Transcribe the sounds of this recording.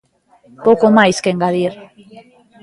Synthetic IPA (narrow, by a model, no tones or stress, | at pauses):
powkomajskeŋɡaðiɾ